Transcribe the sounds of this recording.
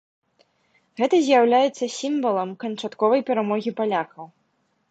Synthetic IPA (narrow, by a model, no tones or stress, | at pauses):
ɣɛt̪ɐzʲjawlʲajɛt̪sːɐsʲimvɐlˠɐmkɐnt͡ʂat̪kɔvɐjpʲɛɾamɔɣʲipalʲaxɐw